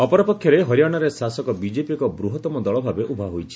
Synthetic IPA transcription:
ɔpɔɾɔpɔkʰjɔɾeɦɔɾjaɽ̃ɔɾesasɔkɔbid͡ʒepikɔbɾuɦɔt̪ɔmɔd̪ɔɭɔbʱabeʔubʱaɦojt͡ʃʰi̥

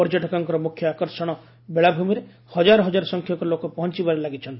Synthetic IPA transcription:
ɔɾd͡ʒɔʈɔkaŋkɔɾɔmukʰjɔakɔɾsɔɽ̃ɔ | beɭabʱumiɾe | hɔd͡ʒaɾɔɦɔd͡ʒaɾɔsɔŋkʰjɔkɔɾlokɔpɔɦɔnt͡ʃibaɾelaɡit͡ʃʰɔnt̪

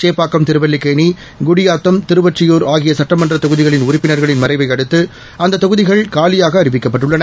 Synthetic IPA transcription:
t͡ʃeːpːaːkːɐmt̪ɪɾɯʋɐlːɪkːɐːni | ɡʊɽɪjaːt̪ːɐmt̪ɪɾɯʋɐʈrɪjoːɾaːɣɪjɐsɐʈːɐmɐndrɐt̪ɔɣɯðɪɣɐɭɪnʊɾɪpːɪnɐɾɣɐɭɪnmɐɾɐɪʋɐɪɐɽɯt̪ːɯ | ɐnd̪ɐt̪ːɐɣɯðɪɣɐɭkaːlɪjaːɣɐːɾɪʋɪkːɐpːɐʈːɯɭːɐnɐ

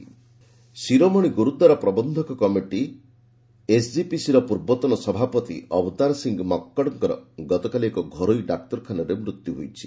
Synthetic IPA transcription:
siɾomɔɽ̃iɡuɾud̪aɾɔpɾɔbɔnd̪ʱɔkɔkɔmiʈi | esd͡ʒipisiɾɔpuɾbɔt̪ɔnɔsɔbʱapɔt̪ḭɔbɔt̪aɾsiŋɡmɔkːɔɽɔŋkɔɾɔ̰ɡɔt̪ɔkaliekɔɡʱɔɾojɖak̚t̪ɔɾkʰanɔɾemɾut̪juɦojt͡ʃʰi̥

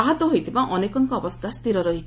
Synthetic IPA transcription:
aɦɔt̪ɔɦojt̪ʰibaʔɔnekɔŋkɔːbɔst̪ʰast̪iɾɔɾɔɦi

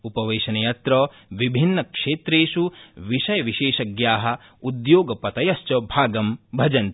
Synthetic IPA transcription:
upɐʋeːʃɐnɐjɐt̪ɾɔː | ʋibʱinːɐkʂeːt̪ɾeːʃuʋiʃɐjɐʋiʃeːʃɐɡjaːɦɐ̆ | ud̪joːɡɐpɐt̪ɐjɐst͡ʃɐbʱaːɡɐmbʱɐd͡ʒɐnt̪

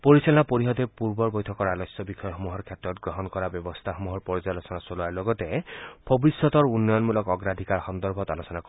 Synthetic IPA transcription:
poɹisalɔnapoɹiɦɔdɛpuɹbɔɹbɔjtʰɔkɔɹalɔsjɔbikʰɔjɔxɔmuɦɔɹkʰɛtɹɔtɡɹɔɦɔnkɔɹabjɔbɔst̪ʰaxomuɦɔɹpɔɹizalɔsɔnasoluaɹlɔɡɔtɛb̥obisːɔtɔɹunːɔjɔnmulɔkɔɡɹad̪ʱikaɹxɔnd̪ɔɹbʱɔtalosɔnak

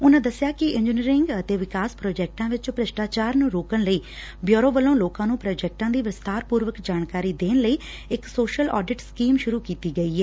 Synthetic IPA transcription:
ʊnãːd̪əsjaːkɪɪ̃ɲd͡ʒɪniːɾɪŋɡət̪eːʋɪkaːspɾoːd͡ʒɛːk̚ʈãːʋɪt͡ʃpɾəʃʈaːt͡ʃaːɾnũːɾoːkənləiː | bjoːɾõːʋəlõːloːkãːnũːpɾɔːd͡ʒɛːk̚ʈãːd̪iːʋɪst̪aːɾpuːɾʋəkd͡ʒaːnkaːɾiːd̪eːnləiː | ɪksoːʃəlɔ̰ːɖɪʈskiːmʃʊɾuːkiːt̪iːɡəiːɦɛː

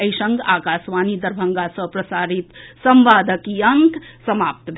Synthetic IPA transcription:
əjsə̃ŋɡakasʋanid̪əɾbʱəŋɡasə̃pɾəsaːɾit̪səmʋaːd̪əkiəŋksəmap̚t̪bʱ

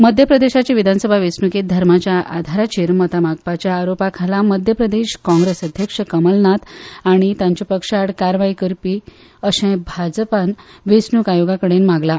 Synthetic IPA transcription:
məd̪ʱjəpɾəd̪eɕat͡ɕiʋid̪ʱansəbʱaʋesnuket̪̚d̪ʱəɾmat͡ɕjaʔa̰d̪ʱaɾat͡ɕiɾmət̪amaɡpat͡ɕjaːɾopakʰalaməd̪ʱjəpɾəd̪eɕkɔ̃ŋɡɾesəd̪ʱjəkʂəkəməlnat̪aɽ̃it̪jãɲt͡ɕepəkʂaɽkaɾʋajkəɾpiː | əɕẽbʱad͡zpanʋesnukajoɡakəɽenmaɡla

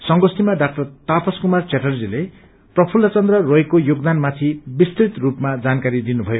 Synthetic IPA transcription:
sʌŋɡosimaɖak̚ʈʌrt̪apʌskumart͡seʈʌrd͡zile | prʌpʰulːʌt͡sʌnd̪rʌroekojoɡd̪anmat̪ʰibist̪rit̪rupmad͡zankaɾid̪inubʱʌjo

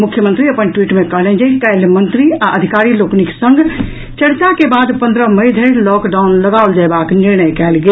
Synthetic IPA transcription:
mukʰːjəmə̃nt̪ɾiəpənʈwiʈmekəɦlɛd͡ʒeikɛjlmənt̪ɾiaʔəd̪ʱikaɾilokniksə̃ŋɡʱ | t͡ʃəɽt͡ʃakebad̪pənd̪ɾəməjd̪ʱeɾlɔkɖaunləɡaold͡ʒaebakniɾnəjkɛlɡe

